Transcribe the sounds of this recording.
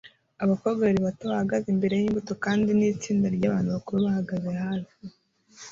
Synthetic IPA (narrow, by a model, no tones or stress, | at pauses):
aβakoɡaɾiβatoβahaɡazimbe̞ɾe̞jiimbuto̞kaːndiniːt͡siːndaɾɟaːβaːnuβakuɾuβahaɡaze̞haβi